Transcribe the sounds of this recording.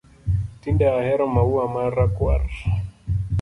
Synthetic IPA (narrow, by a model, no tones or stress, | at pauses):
tindaahɛɾɔmauamaɾakwa̰ɾ